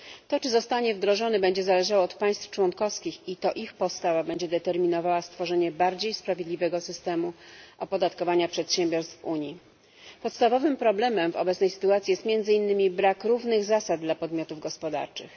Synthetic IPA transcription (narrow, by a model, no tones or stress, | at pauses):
t̪ɔt͡ʂɘzɔst̪aɲɛvd̪ɾɔʐɔnɘbɛɲd͡ʑɛzalɛʐawɔːt̪paj̃st̪ft͡ʂwɔnkɔfskʲixit̪ɔʔixpɔt̪st̪avabɛɲd͡ʑɛd̪ɛt̪ɛɾmʲinɔvawast̪fɔʐɛɲɛbaɾd͡ʑejspɾavʲjed̪lʲivɛɡɔsɘst̪ɛmuʔɔpɔd̪at̪kɔvaɲapʂɛt̪ɕɛmbʲjɔɾst̪fuɲji | pɔt̪st̪avɔvɘmpɾɔblɛmɛmvɔ̰bɛt̪snɛjsɘ̥t̪uat̪sʲijɛst̪mʲjɛnd̪zɘinːɘmʲibɾakɾuvnɘɣzasad̪d̪lapɔd̪mʲjɔt̪uvɡɔspɔd̪a̰ɾt͡ʂɘ̰x